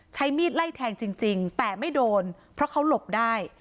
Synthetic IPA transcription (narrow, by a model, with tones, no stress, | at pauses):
t͡ɕʰa˦˥jmiː˥˩t̪̚la˥˩jt̪ʰɛː˧ŋt͡ɕi˧ŋt͡ɕi˧ŋt̪ɛː˨˩ma˥˩jdoː˧n | pʰɾɔ˦˥kʰa˦˥wlo˨˩p̚daː˥˩j